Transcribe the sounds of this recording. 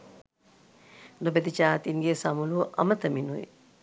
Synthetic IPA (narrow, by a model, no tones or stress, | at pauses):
nobed̪it͡ʃaːt̪iŋɡesamuluʔa̰mət̪əminujḭ